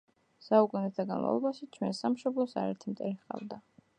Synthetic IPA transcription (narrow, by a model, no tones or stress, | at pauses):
saukʼunɛt̪ʰaɡanma̰vlˠɔbaʃit͡ʃʰwɛnsamʃɔblˠɔsa̰ɾɛ̰ɾt̪ʰimt̪ʼɛɾiχqʼa̰vd̪a